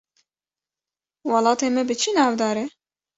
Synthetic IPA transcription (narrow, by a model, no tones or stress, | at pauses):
wɑlˠɑːt̪eːmɛbɨt͡ʃʰɨnɑːvd̪ɑːɾɛ